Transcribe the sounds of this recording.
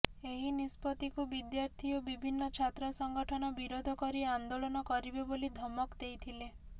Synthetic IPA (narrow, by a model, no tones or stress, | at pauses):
eɦinispɔt̪ikubid̪jaɾt̪ʰiɔbibʱinːɔt͡ʃʰat̪ɾɔsɔŋɡɔʈʰɔnɔbiɾod̪ʱɔkɔɾiand̪olɔnɔkɔɾibebolid̪ʱɔmɔkd̪ejt̪ʰile